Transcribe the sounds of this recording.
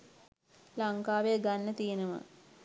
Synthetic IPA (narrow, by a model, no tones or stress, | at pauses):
laŋkaːʋeəɡanːət̪ijenəmə̰